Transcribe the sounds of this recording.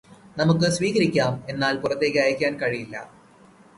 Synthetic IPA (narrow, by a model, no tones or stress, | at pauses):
nɐmuk̬ːɨsʋiːɣɐɾikʲːaːme̞nːaːlpurɐt̪ːe̞ːkːɨɐjɐkʲːaːnkɐɻijilːɐ̰